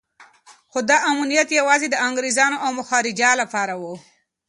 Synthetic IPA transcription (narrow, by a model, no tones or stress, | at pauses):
xod̪ɑʔamunijat̪jawɑzed̪əaŋɡɾezɑnoʔawmʊxɑɾɪd͡ʒɑlapɑɾawu